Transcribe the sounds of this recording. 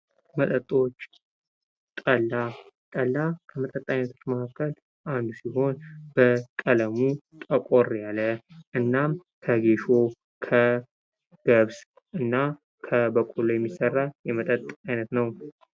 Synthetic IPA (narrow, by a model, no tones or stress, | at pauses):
mət̪ʼət̪ʼːo̞t͡ʃː | t̪ʼəlːat̪ʼəlːakʰəmət̪ʼət̪ʼːajnət̪ʰo̞t͡ʃːməkʰakːəl | ʔand̪usiho̞nbəkʼələmu | t̪ʼəkʼorjaləʔɨnːamkʰəɡe̞ʃo̞ | kʰə | ɡ̥əβs | ʔɨnːa | kʰəbəkʼulːojɛmːisərːajɛmət̪ʼət̪ʼːajnət̪nəw